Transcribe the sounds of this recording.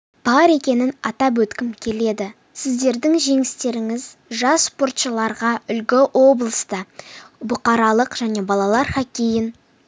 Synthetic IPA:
b̥ɑɾe̞kʲe̞nɪnɑt̪ɑp̬wɵt̪kʲɪmkʲʰe̞le̞d̪ɪ | sɪzd̪e̞ɾd̪ɪŋʒe̞ŋɪst̪e̞ɾɪŋɪzʒɑsːpo̞rt̪ʃəlˠɑɾʁɑʏlɡʲɪʔwo̞blˠəst̪əbʊqɑɾɑlˠəqʒ̥æne̞bɑlˠɑlˠɑɾχɑkʲejɪn

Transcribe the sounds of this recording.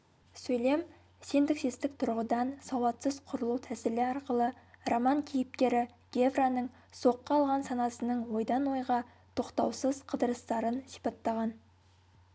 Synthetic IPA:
sɵjle̞m | se̞nd̪ɪkʃest̪ɪk̚t̪ʰʊɾʁəd̪ɑnsɑwɑt̪səzqʰʊɾəlˠuwt̪ʰæsɪlɪɑɾqəlˠəromɑŋkʲʰijɪp̚k̪ʲe̞ɾɪ | ɡ̥ʲe̞vranəɴ | so̞qːɑːlˠʁɑnsɑnɑsənəɴwo̞jd̪ɑnwo̞jʁɑ | t̪ʰo̞qt̪ɑwsəzqʰəd̪əɾəst̪ɑɾənsi̥pɑt̪ːɑʁɑn

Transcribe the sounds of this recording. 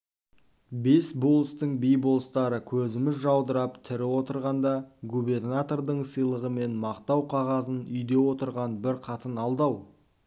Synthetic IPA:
be̞sbo̞lˠəst̪əɴbijbo̞lˠəst̪ɑɾəkʲʰɵzɪmɪzʒɑwd̪əɾɑpt̪ʰɪɾɪwo̞t̪əɾʁɑnd̪ɑɡube̞rnat̪o̞rd̪əɴsijlˠəʁəme̞nmɑqt̪ɑwqʰɑʁɑzənʏjd̪e̞wo̞t̪əɾʁɑnbɪɾqʰɑt̪ənɑlˠd̪ɑw

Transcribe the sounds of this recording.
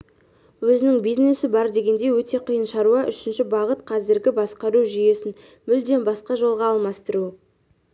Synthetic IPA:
wɵzɪnɪŋbijzne̞sɪbɑɾd̪e̞ɡʲe̞nd̪e̞wɵt̪e̞qʰijənʃɑɾuɑʔʏʃɪnʃɪbɑʁət̪qʰɑzɪɾɡʲɪbɑsqɑɾuʒije̞sɪn | mʏld̪e̞nbɑsqɑʒo̞lˠʁɑːlˠmɑst̪əɾu

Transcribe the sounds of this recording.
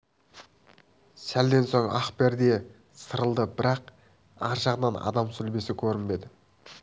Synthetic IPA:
sæld̪e̞nso̞ɴɑχpeɾd̪e̞ | səɾəlˠd̪əbɪɾɑq | ɑɾʒɑʁənɑnɑ̰d̪ɑmsʏlbe̞sɪkʲʰɵɾɪnbe̞d̪ɪ

